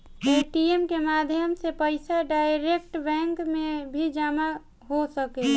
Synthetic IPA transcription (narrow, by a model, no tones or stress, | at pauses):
eːʈiemkemaːd̪ʱjəmsepəɪsaɖajɾek̚ʈbɛ̃ŋkmẽbʱid͡ʒaːma | ɦosəke